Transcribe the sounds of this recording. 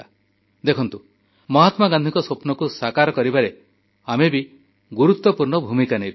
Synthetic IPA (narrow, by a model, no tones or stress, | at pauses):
d̪ekʰɔnt̪u | mɔɦat̪maɡand̪ʱikɔsopnɔkusakaɾɔkɔɾibaɾe | amebi | ɡuɾut̪wɔpuɾɳɔbʱumikanejb